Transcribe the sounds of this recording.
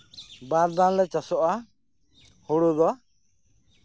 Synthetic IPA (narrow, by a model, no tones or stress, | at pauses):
baɾd̪anlɛt͡ʃasɔʔa | huɽud̪ɔ